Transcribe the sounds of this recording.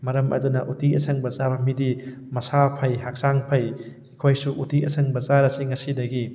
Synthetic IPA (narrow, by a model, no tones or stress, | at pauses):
mɐɾɐmʔɐ̰dunɐʔutiɐsɐŋbɐzabɐmidi | mɐsapʰɐjɦak̚saŋpʰɐj | ikʰojsuʔutiʔɐ̰sʰɐŋbɐzaɾɐsiŋɐsidɐɡi